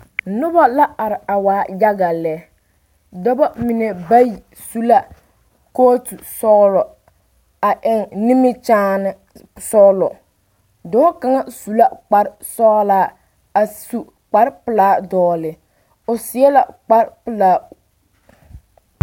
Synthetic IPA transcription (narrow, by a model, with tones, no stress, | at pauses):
nʊ˦ba˦la˦a˨ɾɪ˨a˨waː˨˦ja˦ɡa˨lɛ˦ | dɔ˦ba˦mɪ˨nɛ˨ba˦ji˨ | su˦la˦ | koː˦tu˨sɔ˦lɔ˨ | a˨ʔɪ˨ŋnɪ˦mɪ˦t͡ʃaː˦nɪ˦ | sɔ˦lɔ˨ | dɔː˦ka˨˦ŋa˦su˨la˦k͡pa˨ɾsɔː˦laː˦ | a˨su˨ | k͡pa˦ɾpɪ˨laː˦dɔː˦lɪ˨ | ʊ˨sɪ˨ɛ˦la̰˨k͡pa˦ɾpɪ˨laː˦